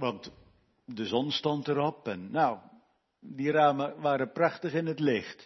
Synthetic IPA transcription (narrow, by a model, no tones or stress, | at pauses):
ʋɑnt | dəzɔnstɔntəɾɔpɛnːaw | diraːməʋaːɾəprɑχtəχɪnətlɪχt